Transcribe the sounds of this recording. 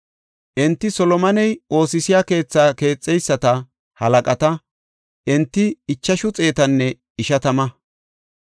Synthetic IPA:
ʔɪnt̪ːɪsɔlɔmɐnɛjo̞ːsɪsɪjaːke̞ːt͡sːaːke̞ːt͡sʼːɛjsːɐt̪ɐ | hɐlɐkʼɐt̪ɐ | ʔɪnt̪ːɪɪt͡ʃːɐʃʊt͡sʼe̞ːt̪ɐnːɛ | ɪʃɐt̪ɐmɐ

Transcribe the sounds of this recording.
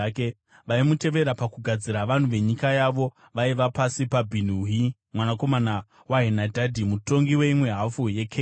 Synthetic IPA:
ke | ʋaimute̞ʋe̞ɾapakuɡʱad͡ziɾaʋan̤uʋe̞ɲikajaʋo̞ | ʋaiʋapasipabʱin̤uɦi | mwanako̞mana | waɦenadʱadʱimuto̞ŋɡiwe̞imwe̞ɦafuje̞kʰe

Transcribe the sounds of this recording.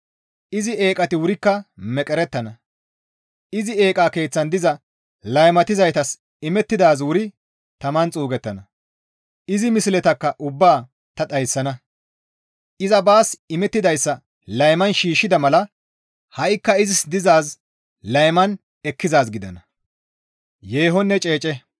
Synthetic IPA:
ʔɪzɪe̞ːkʼɐt̪ɪwʊɾɪkːɐmɛkʼɛɾɛt̪ːɐnɐ | ʔɪzɪe̞ːkʼaːke̞ːt͡sːɐnd̪ɪzɐ | lɐjmɐt̪ɪzɐjt̪ɐs | ɪmɛt̪ːɪd̪aːzwʊɾɪ | t̪ɐmɐnt͡sʼuːɡɛt̪ːɐnɐ | ʔɪzɪmɪslɛt̪ɐkːɐʔʊbːaː | t̪ɐt̪ɐjsːɐnɐ | ʔɪzɐbaːsɪmɛt̪ːɪd̪ɐjsːɐ | lɐjmɐnʃiːʃːɪd̪ɐmɐlɐ | hɐjkːɐɪzɪsd̪ɪzaːz | lɐjmɐn | ɛkːɪzaːsɡɪd̪ɐ̰nɐ | jeːɦɔnːɛt͡ʃʼe̞ːt͡ʃʼɛ

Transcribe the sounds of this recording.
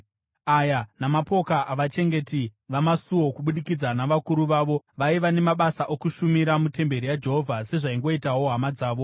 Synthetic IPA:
ajanamapo̞kaʔaʋat͡ʃe̞ŋɡe̞tiʋamasuwo̞kuɓuɗikid͡zanaʋakuɾuʋaːʋo̞ʋaiʋane̞maɓasaʔokuʃumiɾamute̞mbe̞ɾijad͡ʒe̞ɦovʱase̞ʐaiŋɡo̞itawo̞ɦamad͡zaːʋo̞

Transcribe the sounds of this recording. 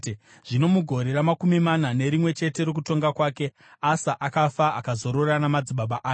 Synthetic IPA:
ʐ̥ino̞muɡʱo̞ɾeɾamakumimanane̞ɾimwe̞t͡ʃe̞te̞ɾok̬uto̞ŋɡakwaːke̞ | asaʔakafaakazo̞ɾoranamad͡ziɓaɓaʔaːj

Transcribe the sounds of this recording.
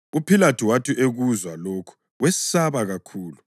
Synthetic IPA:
upʰilatʰiwatʰiʔeɣuzwaloːkʰu̥ | wɛsaβaɣakʰuːlu

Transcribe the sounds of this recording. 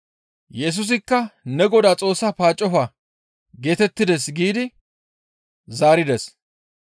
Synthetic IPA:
jɛs̬ʊs̬ɪkːɐnɛɡɔd̪aːt͡sʼo̞ːsːɐpaːt͡ʃʼːɔfɐ | ɡe̞ːt̪ɛt̪ːɪd̪ɛs̬ɡiːd̪ɪ | zaːɾɪd̪ɛs

